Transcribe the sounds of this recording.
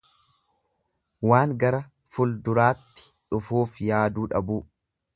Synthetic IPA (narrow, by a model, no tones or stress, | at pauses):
waːŋɡɐɾɐ | fʊld̪ʊɾaːt̪ːɪ̥ᶑʊfuːfjaːd̪uːᶑɐbuː